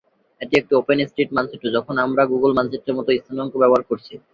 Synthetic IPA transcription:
eʈiek̚ʈiopenisʈɾeʈmant͡ɕʰeʈːod͡ʑɔkʰonamɾaɡuɡolmanseʈːeɾmɔt̪oist̪ʰanɔŋkobɛboɦaɾkoɾt͡ɕʰi

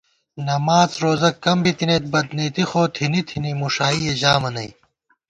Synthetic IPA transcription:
nɐmaːzɾoːzɐkːɐmbit̪ineːt̪̚bɐd̪niːt̪ixoːt̪ʰinit̪ʰinimuʂaːied͡ʑaːmɐnɐj

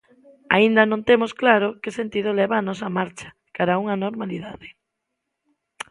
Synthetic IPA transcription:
a̰ind̪ɐnõnt̪emosklaɾokesent̪iðolɛβaːnɔs̬ɐmaɾt͡ʃɐ̥ | kaɾauŋɐnoɾmaliðaðe

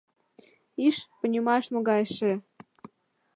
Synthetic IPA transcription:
iʃpə̆nʲimɑʃmoɣɑjʃĕ

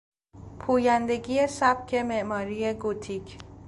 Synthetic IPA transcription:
pʰuːjænd̪e̞ɡijesæb̥̚cʰe̞meʔmɒːɾijeɡut̪ʰiːcʰ

